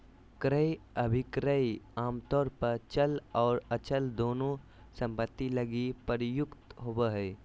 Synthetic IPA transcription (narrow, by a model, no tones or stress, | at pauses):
kɾəjɐbʱɪkɾaiaːmt̪ɔːɾpɐɾt͡ʃəlɔːɾɐt͡ʃəld̪oːnõ | sɐ̃mpət̪ːilɐɡipəɾjʊkt̪ɦobəɦɛː